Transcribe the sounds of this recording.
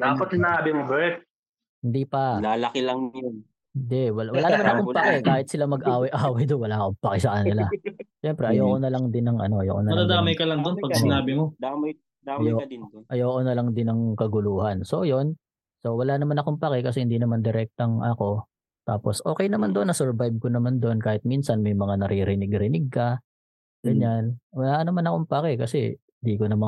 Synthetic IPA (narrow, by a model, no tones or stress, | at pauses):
d̪apɐt̪sɪnaːbɪmobɛt̪̚ | hɪnd̪iːpɐlaːlɐkɪlɐŋon | hɪnd̪ɛʔwɐlwɐlaːnɐmannɐkompɐkɛkaːhɪt̪sɪlamɐɡʔaːwɐjʔaːwɐjd̪onwɐlaːkompɐkɛsɐkɐnɪlaʃɛmpɾɛʔɐjoːkonɐlɐŋd̪ɪnːɐŋʔɐ̰no̞ʔɐ̰jo̰ːʔkonɐɾɐd̪aːmɐjkɐlɐŋd̪onpɐɡsɪnaːbɪmod̪aɐj | djoʔɐjoːʔonɐlɐŋd̪ɪnɐŋkɐɡʊluːhɐnso̞jo̞n | so̞wɐlaːnɐmanɐkoŋpakɛkɐsɛhɪnd̪iːnɐmand̪ɪɾɛk̚t̪oɐŋʔɐko̞ | t̪a̰ːposʔo̞ːkɛjnɐmand̪oʔnɐsɛɹbajb̚konɐmand̪oʔonkaːhɪt̪̚minsɐnmɐjmɐŋanɐɾʔiɾɪnɪɡɾɪnɪɡ̚kɐ | ɡ̥ɐɲanwɐlaːʔɐnɐmanɐko̞ŋpakɛkɐsɛ̰ | nd̪ikonɐma